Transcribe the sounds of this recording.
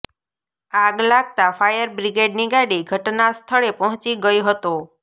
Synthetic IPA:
aɡlaɡ̚t̪afajəɾbɾiɡeɖniɡaɽiɡʱəʈnast̪ʰəɭepɔɦɔ̃t͡ʃiɡəjoɦət̪o

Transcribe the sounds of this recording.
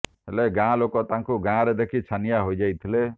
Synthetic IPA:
ɦeleɡãlokɔt̪ãŋkuɡãɾed̪ekʰit͡ʃʰanijaɦojd͡ʒajt̪ʰile

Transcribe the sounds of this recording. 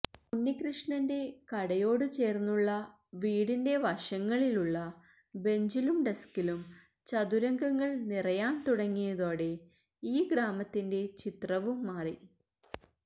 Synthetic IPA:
punːikrɨʂɳɐnde̞kɐɽɐjo̞ːɽɨt͡ɕe̞ːrnːuɭːɐ | ʋiːɽinde̞ʋɐʂɐŋːɐɭiluɭːɐ | be̞ɲd͡ʑilumɖeskːilum | t͡ɕɐðuɾɐŋɡɐŋːɐɭnirɐjaːnt̪uɽɐŋːijɐðo̞ːɽe̞ | iːɡɾaːmɐt̪ːinde̞t͡ɕit̪rɐʋumːaːri

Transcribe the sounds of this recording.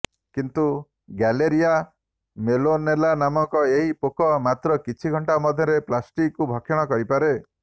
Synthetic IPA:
kint̪u | ɡɛleɾija | melonelanamɔŋkɔeɦipokɔmat̪ɾɔkit͡ʃʰiɡʱɔɳʈamɔd̪ʱjɔɾeplasʈikkubʱɔkʰːjɔɽ̃ɔkɔɾipaɾe

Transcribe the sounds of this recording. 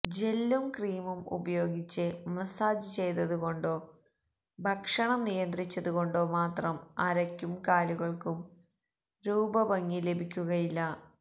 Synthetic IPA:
d͡ʑe̞lːumkriːjmumṵbɐjo̞ːɡit͡ɕːɨmɐsaːd͡ʑɨt͡ɕe̞jt̪ɐðuɣo̞ɳɖo̞ː | bʱɐkʂɐɳɐmnijɐnd̪rit͡ɕːɐðuɣo̞ɳɖo̞ːmaːt̪rɐmɐɾɐkʲːumkaːluɣɐɭkum | ɾuːbɐbɐŋːile̞bʱikʲːuɣɐjilːɐ

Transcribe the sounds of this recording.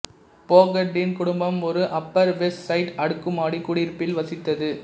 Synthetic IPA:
poːɡɐɖːɪnkʊɽʊmbɐmɔɾɯʔɐpːɐɾʋɛssɐɪʈɐɽɯkːɯmaːɽikːʊɽɪɾpːɪlʋɐsɪt̪ːɐðɯ

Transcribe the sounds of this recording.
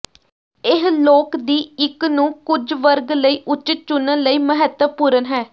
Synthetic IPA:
ɪɦloːkd̪iːɪknũːkʊd͡ʒʋəɾɡləiːʔʊt͡ʃɪt̪̚t͡ʃʊnələiːməɦət̪əpuːɾənɦɛː

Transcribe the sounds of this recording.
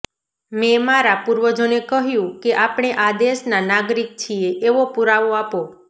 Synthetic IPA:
memaɾapuɾʋəd͡ʒonekəɦjũkeʔapɽ̃eʔad̪eʃnanaɡɾik̚t͡ʃʰieʔeʋopuɾaʋoapo

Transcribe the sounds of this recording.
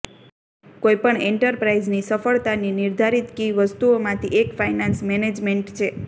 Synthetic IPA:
koipəɳeɳʈəɾpɾaid͡ʒnisəfəɭt̪aniniɾd̪ʱaɾit̪kiʋəst̪uomãt̪ʰiʔekfajnansmɛned͡ʒmeɳʈt͡ʃʰe

